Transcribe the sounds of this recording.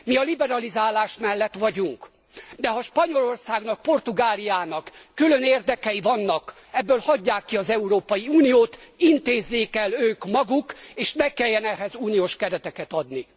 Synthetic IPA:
miɒlibɛɾɒlizaːlaːʃmɛlːɛt̪ʋɒɟuŋk | d̪ɛɦɒʃpɒɲo̞lo̞rsaːɡnɒk̚po̞rt̪uɡaːlijaːnɒkːylø̞neːrd̪ɛkɛjivɒnːɒk | ɛbːøːlhɒɟːaːkːiɒzɛuɾoːpɒjiuːnijoːt̪int̪eːzːeːkɛløːkmɒɡukeːʃnɛkɛjːɛnɛɦɛzuːnijoːʃkɛɾɛt̪ɛkɛt̪ɒd̪ni

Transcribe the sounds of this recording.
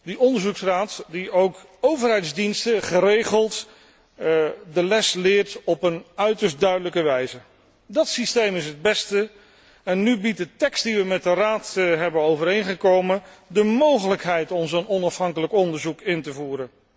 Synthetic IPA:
dəʔɔndəɹzuksraːtdiowk | owvəɹɦɛjtzdinstəχərejχəlˠt | dəlɛslɪːɹtɔpənœɥtəɹsdœɥdələkəʋɛjzə | dɑtsistejmɪsɦəd̚bɛstə | ɛnːybit̚dətɛkstdiʋəmɛt̚dəraːtɦɛbənowvərejnχəkowməndəmowχələkɦɛjtɔmzonɔnɑfɦɑŋkələkɔndəɹzukɪntəvuːɾən

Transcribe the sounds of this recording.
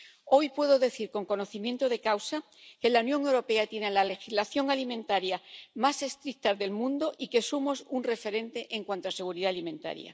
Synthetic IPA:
o̞jpwe̞ðo̞ðe̞θiɾko̞ŋko̞no̞θimje̞nt̪oðe̞kawsa | ke̞launjõ̞ŋe̞wɾo̞pe̞at̪je̞ne̞lale̞xizlaθjo̞ŋalimẽnt̪aɾjamase̞st̪ɾik̚t̪azðe̞lmũnd̪o̞ʔike̞sumo̞sunre̞fe̞ɾe̞nt̪e̞ʔeŋkwant̪oase̞ɣ̞uɾiðaːlimẽ̞nt̪a̰ɾja̰

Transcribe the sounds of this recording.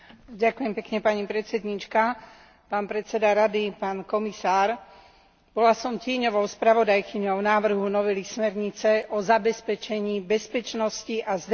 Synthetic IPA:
ɟakujɛmpɛkɲɛpaɲipɾɛt̪t͡sɛd̪ɲit͡ʃka | paːnpɾɛtt͡sɛd̪aɾad̪ipaːnkɔmisaːɾ | b̥ɔlasɔmcɪɛɲɔʋɔʊspɾaʋɔd̪ajkiɲɔʊnaːʋr̩ɦunɔʋɛlismɛɾɲit͡sɛʔɔzabɛspɛt͡ʃɛɲiːbɛspɛt͡ʃnɔsciʔazd̪

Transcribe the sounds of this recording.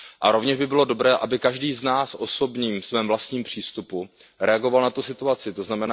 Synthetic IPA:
ʔa̰ɾo̞vɲɛʒbɪbɪlo̞do̞bɾɛːʔabɪkaʒdiːznaːsʔo̞so̞bɲiːmsvɛːmvlast̪ɲiːmpr̝̥iːst̪upuɾɛaɡo̞valnat̪usɪt̪uat͡sɪt̪o̞znamɛnaː

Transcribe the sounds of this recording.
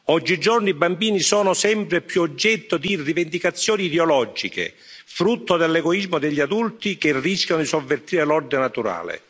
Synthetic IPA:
ɔd͡ʒːid͡ʒɔrnibambiːnisɔːnʊsɛmpɾepjuod͡ʒːɛt̪ːod̪irːivend̪ikat̪sːjɔːniːd̪eɔlɔd͡ʒikḛ | fɾut̪ːod̪elːɛɡɔizmod̪ɪʎːiad̪ult̪ikerːiskʲjanʊd̪isovːert̪iːɾelɔrd̪ɪnnat̪uɾa̰ːlɪ̰

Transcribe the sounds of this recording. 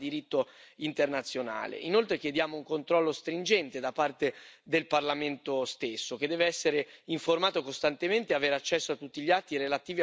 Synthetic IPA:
d̪iɾit̪ːoint̪ernat̪sːjona̰ːlḛʔinolt̪ɾekjed̪jaːmouŋkont̪ɾɔlːost̪ɾind͡ʒɛnt̪ed̪apart̪ed̪elparlament̪ost̪esːok̟ed̪ːɛːveɛsːeɾeiɱformaːt̪okost̪ant̪ement̪eaveːɾeat͡ʃːɛsːoat̪ːut̪ːiʎat̪ːiɾelat̪iːvi

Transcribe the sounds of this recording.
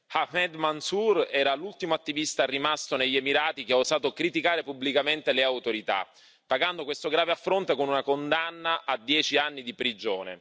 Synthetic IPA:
hamɛd̪mansurɛːɾalult̪imoat̪ːivist̪arimast̪oneʎːemiɾaːt̪ik̟eozaːt̪okɾit̪ikaːɾepubːlikament̪eleawt̪oɾit̪a̰ | pːaɡand̪okwest̪oɡɾaːveafːɾont̪ekonunakond̪anːaʔad̪ːjɛːt͡ʃianːid̪ipɾid͡ʒoːnḛ

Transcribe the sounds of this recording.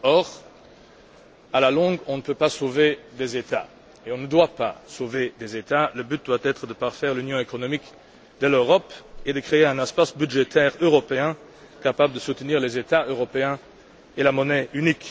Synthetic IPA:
ɔʁ | alalɔ̃ɡɔ̃nəpøpasoved̪ezet̪a̰ | eɔ̃nəd̪wapa̰soved̪ezet̪aləbyt̪̚d̪wat̪ɛt̪χəd̪əpaʁfɛʁlynjɔ̃ekɔnɔmik | d̪əløʁɔped̪əkχeeɛ̃nɛspasbyd̪ʒet̪ʰɛːʁøʁɔpeɛ̃ | kapabləd̪əsut̪niːʁlezet̪aøʁɔpeɛ̃ | elamɔnɛynik

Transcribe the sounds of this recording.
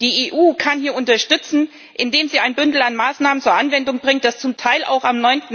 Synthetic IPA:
d̥iːʔeːʔuːkʰanhiːɐʔʊntɐʃtʏt͡sn̩ | ʔɪndeːmziːaɪnbʏndl̩anmaːsnaːmənt͡suːɐʔanvɛndʊŋb̥ʁɪŋt̚d̥ast͡sʊmtʰaɪlʔa̰ʊxamnɔʏntn̩

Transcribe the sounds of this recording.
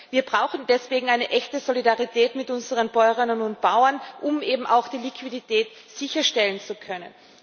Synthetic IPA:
viːɐbʁaʊxn̩dɛsv̥eːɡŋ̩aɪnəʔɛçtəzolidaʁitʰɛːtmɪtʔʊnzəʁənbɔʏʁɪnənʊnt̚b̥aʊɐnʔʊmʔeːbm̩ʔa̰ʊxd̥iːlikʰv̥iditʰɛːt | z̥ɪçɐʃtɛlənt͡sukʰœnə̰n

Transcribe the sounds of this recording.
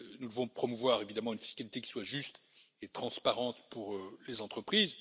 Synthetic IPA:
nud̪əvɔ̃pχɔmuvwaʁevid̪amɑ̃ynfi̥skalit̪ekʲi̥swaʒyst̪ | et̪χɑ̃spaʁɑ̃t̪puʁølezɑ̃t̪χəpχiːz

